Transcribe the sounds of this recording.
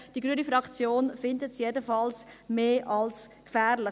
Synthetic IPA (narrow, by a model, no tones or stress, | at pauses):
d̥iɡɾyənifɾɑkt͡sjoːnfɪndətsjedəfɑlsmeːʔɑlskfɛːɾlɪ